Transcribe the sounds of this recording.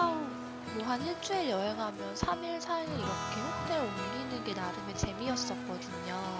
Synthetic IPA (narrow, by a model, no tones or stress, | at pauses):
au | boɦanɦiɭt͡ɕ͈uejʌɦeŋɦamjʌnsʰamiɭsʰaenɯiɡʌkʰeçjok̚t͈eɾoumɡiːnːɯnɡe̞naɾɯmjet͡ɕe̞miʌs͈ʌt̚k͈ʌdɯɲo